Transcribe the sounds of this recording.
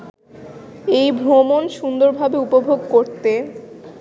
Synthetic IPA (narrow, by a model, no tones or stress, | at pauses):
ejbʱomonʃund̪oɾbʱabeupobʱoɡkoɾt̪e